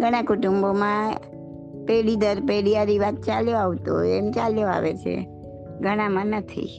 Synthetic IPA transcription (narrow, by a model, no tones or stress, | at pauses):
ɡʱəɽ̃ãkʊʈumbomã | peɽid̪əɾpeɽijaɾiʋat̪̚t͡ʃaljoaʋt̪oɦɛmt͡ʃaljoa̰ʋet͡ʃʰḛ | ɡʱəɽ̃ãmãnət̪ʰḭ